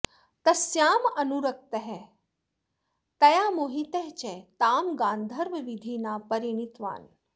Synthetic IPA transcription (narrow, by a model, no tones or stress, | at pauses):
t̪ɐsjaːmɐnuɾɐk̚t̪ɐɦɛ | t̪ɐjaːmoːɦit̪eɦt͡ʃet̪aːmɡãːnd̪ʱɐɾʋɐʋid̪ʱiːnaːpɐɾiɳ̃it̪ʋa̰ːn